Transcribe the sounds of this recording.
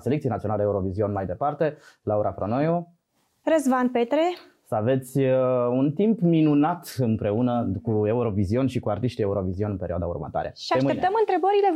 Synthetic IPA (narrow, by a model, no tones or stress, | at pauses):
selekt̪ienat̪ionald̪euɾo̞vizio̞nmajd̪e̞part̪e̞lauɾʔafɾonojo | rəzvan̚pet̪ɾe | səave̞t̪sʲunt̪impminunat̪ɨmpɾe̞unəkue̞uɾo̞vizio̞nʃikuart̪iʃt̪ie̞uɾo̞vizio̞nɨnpe̞ɾioad̪a̰ṵrmə̰t̪a̰ɾeʃiamept̪əmɨnt̪ɾe̞bəɾile̞